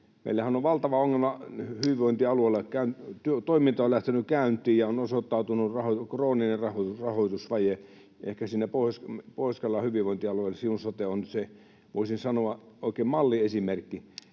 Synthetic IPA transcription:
mḛilːæhænoʋʋɑlt̪ɑʋɑoŋːelmɑhyʋiʋoint̪iɑlueˑilːɑkæynt̪yøt̪oimint̪ɑolæht̪enykæˑynt̪ˑiːjjɑonosot̪ːɑˑut̪unurɑhokroːninerɑhourɑhoit̪usʋɑje | ḛhkæsinːæpospoˑiskɑlːɑhyʋiʋoˑint̪iɑlueilːɑsiunsot̪eonse | ʋoˑisinsɑnoɑoˑikeːmmɑlːiesimerkːi

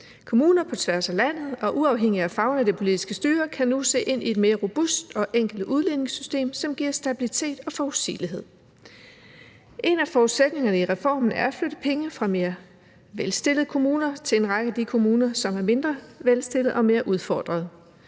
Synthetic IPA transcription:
kʰo̝muːnɐpʰɒ̽t͡sʰʋæɐsælæn̰ð̞̩ˠɒ̽ʔuɑ̈ʊɦeŋ̰iæfɑ̈ʊnæd̥epʰo̝lid̥isɡ̥əsd̥yːɐkʰænuse̝̰ːʔe̝n̰ie̝d̥me̝ːɐʁo̝b̥usd̥ɒ̽ʔeŋ̰ɡ̥l̩d̥uð̞ˠlene̝ŋsysd̥e̝̰ːmsɒ̽mɡ̥iɐ̰sd̥æb̥ilit͡sʰe̝̰ːd̥ɒ̽fɒʊsḭːliɦe̝ð̰ˠ | ʔe̝næfɒuðˠsed̥ne̝ŋɐnəiʁɛfɒ̰ːmn̩æɐfløɾ̥əpʰeŋəfʁɑ̈me̝ːɐ | ʋelsd̥e̝lð̩ˠəkʰo̝muːnɐt͡sʰe̝le̝nʁɑ̈ɡ̥əæd̥ikʰo̝muːnɐsɒ̽mæɐme̝nd̥ʁɐʋelsd̥e̝lð̩ˠɒ̽me̝ːɐʔuð̞ˠfɒ̰ːd̥ʁɐð̞ˠ

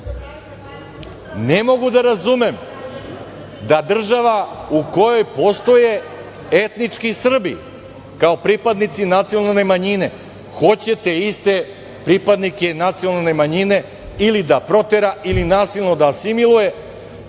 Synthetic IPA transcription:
nemo̞ɡud̪aɾazume̞m | d̪ad̪r̩ʒaʋauko̞jo̞jpo̞st̪o̞je | et̪nit͡ʃkisr̩bḭ | kao̞pɾipad̪nit̪sinat̪sijo̞nalne̞maɲine̞ | xo̞t͡ɕe̞t̪e̞ist̪e̞ | pɾipad̪nike̞nat̪sionalne̞maɲine̞ | ilid̪apɾo̞t̪eɾaʔilinaːsilˠno̞d̪aːsimilˠuje̞

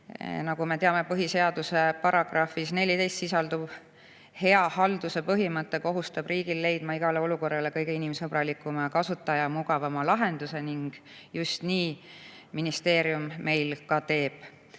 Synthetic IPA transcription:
nɑɡ̥ume̞t̪eɑme̞pɤɦise̞ɑd̪̥use̞pɑɾɑɡ̥rɑfisne̞lʲit̪e̞jst̪sisɑld̪ub̥ | he̞ɑhɑld̪̥use̞pɤɦimɤt̪ˑːe̞ko̞ɦust̪ɑb̥riːɡ̥ilːe̞jd̪̥mɑiɡ̥ɑleo̞luko̞rːɑle̞kɤ̞jɡe̞inimsɤbɾɑlikːˑumɑkɑsut̪ːˑɑjɑmuɡɑvɑmɑlɑɦe̞nd̪̥use̞niŋɡ̥ | just̪niː | minist̪e̞ːɾiumːe̞jlkɑt̪e̞ːb̥

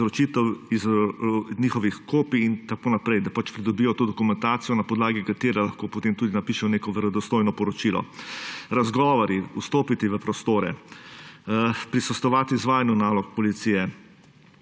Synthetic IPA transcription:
ɾɔt͡ʃit̪ɛwiz | niːxɔʋixkoːpiːnt̪akonapɾɛjd̪apat͡ʃpɾid̪ɔbijɔt̪oːd̪ɔkumɛnt̪aːt̪sijɔnapɔd̪laːɡikat̪eːɾɛlaxkoːpɔt̪eːmt̪uːd̪inapiːʃɛwneːkɔʋɛɾɔd̪ɔst̪ojnɔpɔɾɔt͡ʃilɔ̰ɾazɡɔːʋɔɾiust̪oːpit̪iʋəpɾɔst̪oːɾɛ̰ | pɾisɔst̪ɔʋaːt̪iizʋaːjanjunaːlɔk̚pɔlit̪siːjɛ

